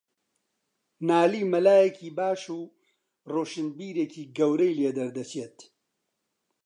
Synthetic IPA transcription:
naːliːmɐlaːjɛkʰiːbaːʃuː | roːʃɨnbiːɾeːkiːɡɐwɾɐjleːd̪ɐɾd̪ɐt͡ʃʰeːt̪

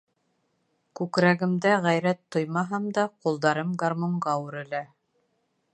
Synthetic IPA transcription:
kʉkɾæɣɘ̆md̪æʁæjɾæt̪ːojmɑɦɑmd̪ɑqulˠd̪ɑɾɤmɡarmoɴɢɑʉɾɘ̆læ

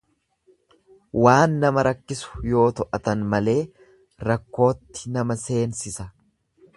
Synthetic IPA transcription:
waːnːɐmɐɾɐkːɪsʊ̥jo̞ːt̪ɔʔɐt̪ɐnmɐle̞ː | ɾɐkːo̞ːt̪ːɪnɐmɐse̞ːnsɪsɐ

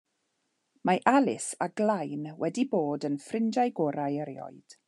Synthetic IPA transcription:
maʔalɪsaɡlajnwɛdiboːdənfrɪnd͡ʒajɡɔɾajəɾiɔ̰ɨd̥

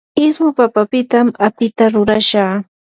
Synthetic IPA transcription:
ɪsmʊpapapɪt̪amapɪt̪aɾʊɾaʃaː

